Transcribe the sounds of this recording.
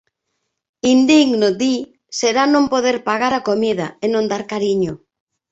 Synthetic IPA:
ind̪iɡnod̪i | seɾanõmpoðeɾpaɣaɾakomiðaenõnd̪aɾkaɾiɲʊ

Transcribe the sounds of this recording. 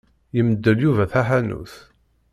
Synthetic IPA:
jəməd̪ːəljuvæθæħænṵθ

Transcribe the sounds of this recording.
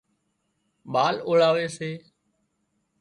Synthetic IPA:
ɓaːloːɭaːʋeːseː

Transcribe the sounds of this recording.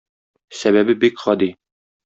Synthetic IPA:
sæβæbɘbikχɒd̪i

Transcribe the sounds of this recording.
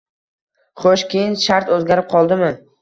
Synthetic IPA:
χoʃkʲʰejɪnʃaɾt̪ɵzɡʲaɾɪp̚qʰɒlˠd̪ɪmɪ

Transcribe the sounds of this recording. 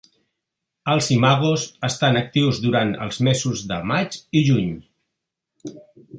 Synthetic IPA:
əlˠzimaɣuzəst̪anək̚t̪iwzðuɾanə̰lˠzmezuzðəmat͡ʃiʒuɲ

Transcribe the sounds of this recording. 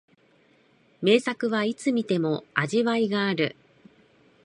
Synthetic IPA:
me̞ːsakɯ̟βait͡sɨmʲit̪e̞mo̞aʑiβaiɡaːɾɯ̟̰

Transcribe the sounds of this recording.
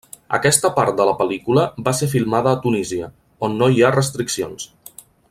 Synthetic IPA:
ə̰kɛst̪əpaɾt̪̚d̪ələpəlikuləbasefilˠmaðəːt̪uniziə | onːoiarəst̪ɾiksio̰ns

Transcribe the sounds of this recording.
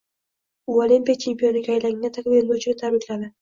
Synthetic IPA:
uolimpʲijat͡ʃʰe̞mpʰʲijonɪɡʲaːjlaŋɪnat̪ʰakʲveɾmat͡ʃʰɪɡʲat̪ʰabɪkʲlanad̪ɪ

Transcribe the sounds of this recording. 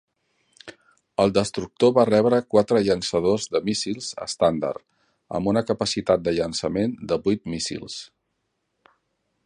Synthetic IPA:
əlˠd̪əst̪ɾuk̚t̪oβarɛβɾəkwat̪ɾəʎənsəð̞ozðəmisilˠzə̰st̪and̪ə̰rt̪ | ə̰mbunəkəpəsit̪at̪̚d̪əʎənsəmend̪əβujt̪misḭlˠs

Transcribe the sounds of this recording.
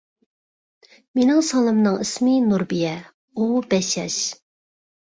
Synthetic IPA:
menɪŋsɑlˠɨmnɨŋismɨnuɾbijɛ | ubɛʃɛ̰ʃ

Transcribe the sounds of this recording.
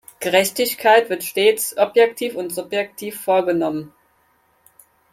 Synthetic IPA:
ɡ̥əʁɛçtɪçkʰaɪtv̥ɪɐtʃteːt͡sʔɔpjɛktʰiːfʊntz̥ʊpjɛktʰiːfːoːɐɡənɔmən

